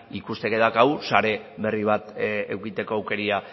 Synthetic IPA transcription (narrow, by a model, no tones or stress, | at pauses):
ikust̪e̞ke̞ðakaɣusaɾe̞βe̞riβ̞at̪ḛwkit̪e̞ko̞awke̞ɾia